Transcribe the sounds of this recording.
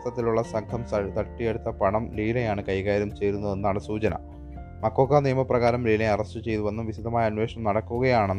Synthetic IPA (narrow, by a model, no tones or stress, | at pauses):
t̪ːɐt̪ːiluɭːɐsɐŋkʰɐmsɐt̪ɐʈːijeɽut̪ːɐpɐɳɐmliːlɐjaːɳɨkɐjkaːɾumt͡ɕe̞jɾunːɐðenːaːɳɨsuːt͡ɕɐnɐ̰ | mɐkːo̞ːkːanijɐmɐprɐɣaːɾɐmliːlɐjɐrɐstɨt͡ɕe̞jt̪uʋɐnːuʋiɕid̪ɐmaːjɐnʋe̞ːʂɳɐmnɐɽɐkːuɣɐjaːɳenː